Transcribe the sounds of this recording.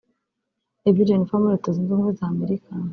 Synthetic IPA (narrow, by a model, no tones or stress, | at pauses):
ebidenifamuɾetoziːnzuːmɡwezaːme̞ɾika